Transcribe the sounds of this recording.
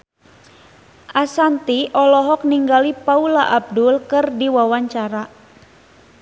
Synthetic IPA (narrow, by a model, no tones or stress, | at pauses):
ʔasant̪iʔɔlɔɦɔk̚niŋɡalipaulaʔab̚dʊlkɨrdiwawaɲt͡ʃaɾa